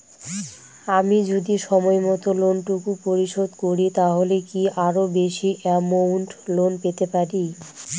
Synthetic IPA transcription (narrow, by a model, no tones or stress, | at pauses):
amid͡ʑod̪iʃɔmɔemɔt̪olonʈukupoɾiʃod̪koɾit̪aɦolekiʔaɾobeʃiʔɛmowɳʈlonpet̪epaɾi